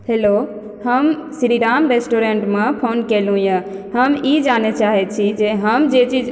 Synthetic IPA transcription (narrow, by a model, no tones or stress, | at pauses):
heːlo | həmsiɾiɖaːmɾesʈoɾẽɳʈmẽpʰoːnkelũjə̃ɦəmid͡ʒaːnet͡ʃaːɦɛt͡ʃʰid͡ʒeɦəmd͡ʒet͡ʃid͡ʒ